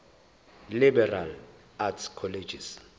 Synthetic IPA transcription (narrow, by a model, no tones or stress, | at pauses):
libɛral | atskʰɔled͡ʒis